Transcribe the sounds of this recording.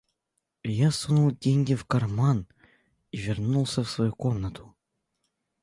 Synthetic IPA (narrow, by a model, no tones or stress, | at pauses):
jasunulˠdʲeŋʲɡʲɪfkɐrman | ivʲɪrnulˠsʲəfsvɐjukomnət̪ʰʊ̥